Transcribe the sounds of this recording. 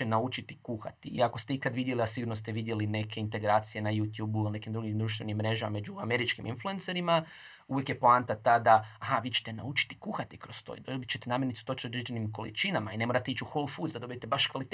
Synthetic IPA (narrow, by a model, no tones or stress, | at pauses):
enaut͡ʃit̪i̥kuxa̰t̪iḭakost̪eikad̪ʋid̪je̞liasiɡuɾnost̪eʋid̪je̞line̞kʰe̞int̪e̞ɡɾaːt̪sije̞najuːt̪juːbuilne̞kimd̪ɾuɡimd̪ɾuʃt̪ʋe̞nimmːɾe̞ʒamame̞d͡ʒuame̞ɾit͡ʃkimḭnflˠuenseɾima | ujekjepoant̪at̪aːd̪aaɦaʋiːt͡ʃe̥t̪e̞na̰ut͡ʃi̥t̪i̥kuxat̪ikɾost̪o̰jd̪obit͡ʃet̪enaːmjeɾnit̪sut̪ot͡ʃiod̪ɾed͡ʒe̞nimko̞lḭt͡ʃinamaine̞moɾat̪e̞it͡ʃuxolˠfuzd̪ad̪o̞bije̞t̪ebaʃkʋalit̪